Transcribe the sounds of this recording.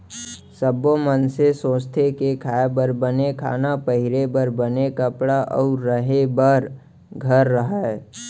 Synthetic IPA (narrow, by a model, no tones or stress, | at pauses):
səbomənsesõːst̪ʰekekʰaːebəɾbənekʰa̰ːnapəɦɪɾebəɾbənekəpɽaʔɔ̰ʊɾːəɦebəɾ | ɡʱəɾːəɦa